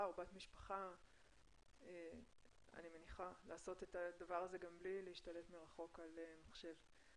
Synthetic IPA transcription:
obatmiʃpḁχa | e | a̰nime̞niχalaːso̞t̪e̞tadavaʁaze̞ɡamblilehiʃtale̞tmeʁaχo̞kalemaχʃe̞v

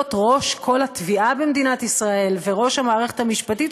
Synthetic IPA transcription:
t̪ʁo̞ʃkʰo̞lhat̪viʔabemd̪inat̪isʁae̞lveʁo̞ʃhamaːʁeχet̪amiʃpatit̪

